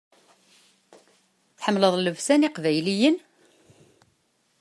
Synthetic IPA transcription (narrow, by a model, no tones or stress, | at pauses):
θħəmːləðˤləvsæniqvæjlijən